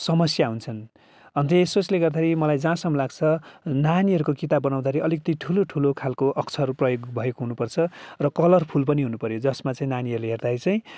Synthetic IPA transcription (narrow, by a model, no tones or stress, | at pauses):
sʌmʌsjaɦunt͡sʰʌn | ʌnt̪esot͡sleɡʌrd̪aeɾimʌlajd͡zãsʌmʌlaɡt͡sʰʌnaniɦʌɾukokit̪abʌnaw̃d̪aʌɾiʌlikʌt̪iʈʰuloʈʰulokʰalkoʔʌkt͡sʰʌʌɾuprʌjoɡbʱʌjeɡɦunupʌrt͡sʰʌrʌkʌlʌrpʰulpʌniɦunupʌɾjod͡zʌsmat͡saĩnaniɦʌɾuleɦerd̪ait͡saĩ